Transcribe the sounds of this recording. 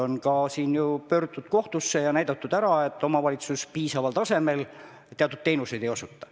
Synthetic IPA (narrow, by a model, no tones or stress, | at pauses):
o̞nkɑsiːnjupø̞ːrd̪ud̪̥ko̞ht̪usːe̞jɑnæjd̪̥ɑt̪ːud̪æɾɑe̞t̪ːˑo̞mɑvɑlit̪suspiːsɑvɑlt̪ɑse̞me̞l | t̪eɑt̪ːˑud̪̚te̞jnuse̞jd̪̥ejo̞sut̪ˑːɑ̥